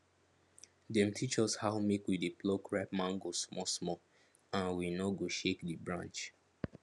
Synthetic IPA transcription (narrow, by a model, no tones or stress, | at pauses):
dɛ̃mtʰit͡ʃɔshaʊmekwideplɔkɹɛpmãŋɡosmɔsmɔ | ãnwinɔɡoʃekdibɹã̰nt͡ʃ